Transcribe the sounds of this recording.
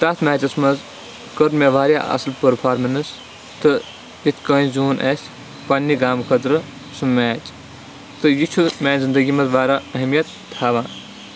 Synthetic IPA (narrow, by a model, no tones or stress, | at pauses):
t̪ɐt̪ʰmaːt͡ʃɐsmɐz | kɐɾmʲɐʋaːɾjaʔɐ̰slpɐɾpʰaːɾmɐnɨs | t̪ɨ | jit̪ʰkə̃ːĩzuːnʔes | pɐnːiɡaːmkʰɐt̪ɾɨ | sumːaːt͡ʃ | t̪ɨjit͡ʃʰumʲeːnzind̪ɐɡimɐt̪ʋaːɾaɐɦmijɐt̪ːʰaːʋãːn